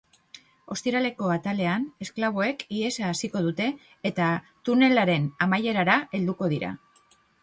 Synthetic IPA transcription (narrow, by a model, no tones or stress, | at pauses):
o̞st̪iɾale̞ko̞at̪ale̞ane̞sklaβ̞o̞e̞kie̞saːsiko̞ðut̪e̞ː | t̪a | t̪une̞laɾe̞namaje̞ɾaɾae̞ld̪uko̞ð̞iɾa̰